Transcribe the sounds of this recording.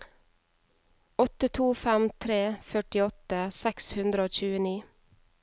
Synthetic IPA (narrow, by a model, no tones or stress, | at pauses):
ɔt̪ət̪ʰuːfæmt̪ʰɾeːfœʈɪɔt̪əsɛkshʉnd̪ɾəoːc͡çʉːəniː